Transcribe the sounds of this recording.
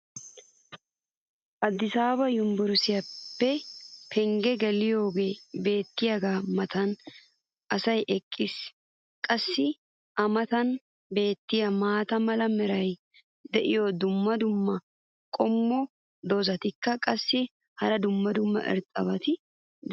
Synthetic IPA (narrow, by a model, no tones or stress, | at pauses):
ʔɐd̪ːɪsaːbɐjʊmbʊɾʊsɪjɐpːɛpʰɛŋɡɛɡɛlɪjo̞ːɡe̞ːbe̞ːt̪ːɪjɐɡaːmɐt̪ɐn | ʔɐsɐjʔɛkʼːɪs | kʼɐsːɪ | ʔɐmɐt̪ɐn | be̞ːt̪ːɪjɐmaːt̪ɐmɐlɐmɛɾɐj | d̪ɛʔɪjoːd̪ʊmːɐd̪ʊmːɐ | kʼɔmːɔ | d̪ozɐt̪ɪkːɐkʼɐsːɪ | hɐɾɐd̪ʊmːɐd̪ʊmːɐ̰ʔɪ̰ɾt̪ʼɐ̰bɐt̪ɪ | d̪